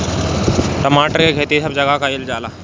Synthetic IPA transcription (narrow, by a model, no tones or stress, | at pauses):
ʈəmaʈəɾkeɡʱet̪isəb̚d͡ʑəɡakaiːld͡ʒaːla